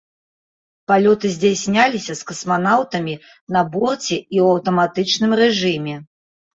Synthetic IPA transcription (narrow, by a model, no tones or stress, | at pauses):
palʲɔt̪ɨzʲd͡zʲasʲnʲalʲisʲɐskɐsmanawt̪ɐmʲi | nɐbɔrt͡sʲɛiwɐwt̪ɐmat̪ɨt͡ʂnɨmrɛʐɨmʲɛ